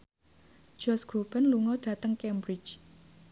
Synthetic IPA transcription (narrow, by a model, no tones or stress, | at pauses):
d͡ʒ̥ɔsɡ̥ɾob̥anluŋɔd̥ä̤t̪əŋkɛmbɾit͡ʃ